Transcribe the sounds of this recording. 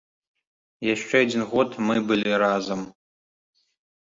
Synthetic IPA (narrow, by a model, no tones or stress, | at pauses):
jaʃt͡ʃʷʰeadʲinɣodmɨbɨlʲiraːzɐm